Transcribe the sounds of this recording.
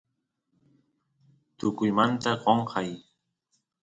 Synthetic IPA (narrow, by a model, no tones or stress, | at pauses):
t̪ʊkʊjmant̪aqoɴqʰɑj